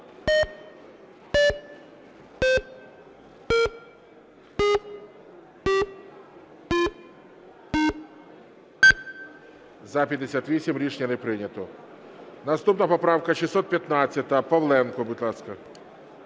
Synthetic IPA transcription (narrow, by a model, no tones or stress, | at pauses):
zɐpʲɐd̪ɪsʲat̪ʋʲisʲimɾʲiʂnʲɐnɛpɾɪnʲɐt̪ɔ | nɐst̪upnɐpɐpɾawkɐʃɪsɔt̪̚pʲjɐt̪nat͡sʲːɐt̪ɐpɐʋlˠɛnkɔbʊt̪ʲlˠaskɐ